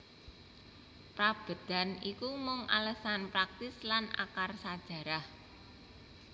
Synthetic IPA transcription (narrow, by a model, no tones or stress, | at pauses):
pɾab̥ə̤d̪̥a̤nikumʊŋʔa̰ləsanpɾak̚t̪ɪslana̰karsad̥ʒ̥ä̤ɾah